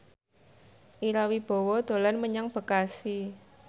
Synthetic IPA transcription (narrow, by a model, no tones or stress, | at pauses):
ʔiɾawib̥o̤wɔd̪̥o̤lanməɲaŋb̥ə̤kasi